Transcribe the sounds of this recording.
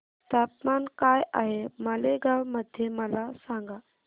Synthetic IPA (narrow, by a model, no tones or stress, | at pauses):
t̪aːpmaːnkaːja̰ːɦemɐleɡawmɐd̪ʱjemɐlasãːŋɡaː